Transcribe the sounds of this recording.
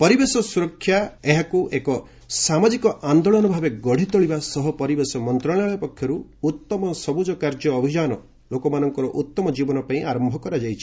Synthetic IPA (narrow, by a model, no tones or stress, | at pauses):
pɔɾibesɔsuɾɔkʰːjaeɦakuʔekɔ | samad͡ʒikɔʔand̪ɔɭɔnɔbʱabeɡɔɽ̤it̪ɔɭibasɔɦɔpɔɾibesɔmɔnt̪ɾɔɭ̃aɭɔjɔpɔkʰjɔɾuut̪ːɔmɔsɔbud͡ʒɔkaɾd͡ʒɔːbʱid͡ʒanɔ | lokɔmanɔŋkɔɾɔʔut̪ːɔmɔd͡ʒibɔnɔpaĩaɾɔmbʱɔkɔɾad͡ʒajt͡ʃʰi̥